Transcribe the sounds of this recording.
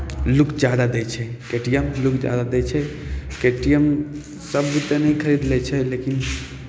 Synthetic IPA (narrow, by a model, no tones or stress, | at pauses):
lukʰd͡ʒjad̪ad̪ɛt͡ʃʰɛkeʈijɛmlukd͡ʒa̰d̪ad̪ɛt͡ʃʰɛkeʈijəm | səbːit̪ənəikʰəɾid̪lɛt͡ʃʰɛlekin